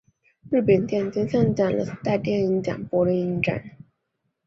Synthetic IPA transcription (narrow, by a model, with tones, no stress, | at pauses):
ɻ̩˥˩pə˨˩nt̪jɛ˥˩nt͡ɕi˥nɕa˥˩ŋt͡ɕa˨˩nlə̰˦˥t̪a˥˧ɪt̪jɛ˥˩ni˧˥ŋt͡ɕja̰˨˩npwɔ˧˥lə˧˥ni˧˥ŋʈ͡ʂa̰˥˩˦n